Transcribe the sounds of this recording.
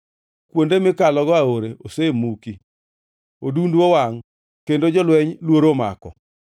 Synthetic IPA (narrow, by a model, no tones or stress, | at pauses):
kwondemɪkalɔɡɔaoɾeʔosemuki | odundwowaŋ | kendod͡ʒɔlwɛɲlwoɾoma̰kɔ̰